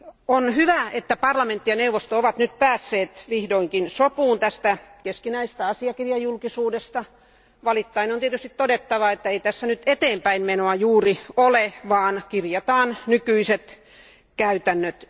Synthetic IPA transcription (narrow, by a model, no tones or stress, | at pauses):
onhyʋæet̪ːæpɑrlɑment̪ːijɑneuʋost̪ooʋɑt̪nyt̪̚pæːsːeːt̪ʋihdoiŋkinsopuːnt̪æst̪ækeskinæist̪æɑsiɑkirjɑjulkisuːdest̪ɑ | ʋɑlit̪ːɑineont̪iet̪yst̪it̪t̪odet̪ːɑʋɑet̪ːæeit̪æsːænyt̪et̪eːmpæinmenoɑjuːrioleʋɑːnkirjɑt̪ɑːnnykyiset̪ | kæyt̪ænːøt̪